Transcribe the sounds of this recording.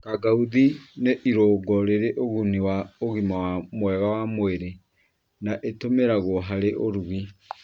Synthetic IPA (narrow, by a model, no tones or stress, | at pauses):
kaɡauðineʔiɾoɡɔɾeɾeʔoɣuniwaoɣimawamwɛɣawamoeɾe | naʔetomeɾaɣoɦaɾeʔoɾuɣi